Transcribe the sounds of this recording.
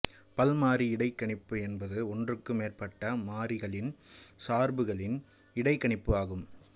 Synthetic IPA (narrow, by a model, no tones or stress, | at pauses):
pɐlmaːɾiɪɽɐɪkːɐɳɪpːɯɛnbɐðɯɔndrɯkːɯmeːrpɐʈːɐmaːɾɪɣɐɭɪnsaːɾbɯɣɐɭɪn | ɪɽɐɪkːɐɳɪpːɯaːɣɯm